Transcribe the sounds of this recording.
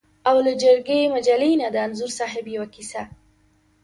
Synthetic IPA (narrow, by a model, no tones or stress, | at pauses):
awlad͡ʒəɾɡemad͡ʒalenad̪əanzuɾsɑɦɪbjawakisa